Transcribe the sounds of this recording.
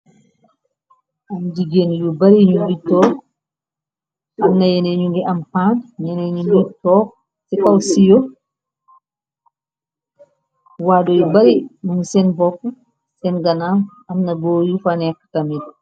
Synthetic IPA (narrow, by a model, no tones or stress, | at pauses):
ʔamd͡ʒiɡenjubaɾiɲumbitɔk | amnajɛnɛɲuŋɡiʔampanjɛnɛɲumɡitɔːk | sikawsijɔ | wadɔjɔbaɾimunsɛnbɔkː | sɛnɡanam | amnaɡojufanɛkːtamid